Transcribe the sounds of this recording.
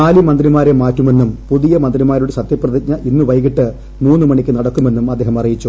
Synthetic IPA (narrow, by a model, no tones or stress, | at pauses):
aːlimɐnd̪rimaːɾemaːtːume̞nːumpuðijɐmɐnd̪rimaːɾuɽesɐt̪jɐprɐðiɲɐʔinːuʋɐjɣiʈːɨ | muːnːɨmɐɳikʲːɨnɐɽɐkːume̞nːumɐd̪ːeːɦɐmɐrijit͡ɕːu